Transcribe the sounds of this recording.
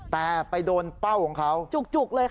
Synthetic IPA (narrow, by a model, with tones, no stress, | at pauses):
t̪ɛː˨˩pa˧jdoː˧npa˥˩wkʰɔː˩˦ŋkʰa˦˥wt͡ɕu˨˩k̚t͡ɕu˨˩k̚lɤː˧j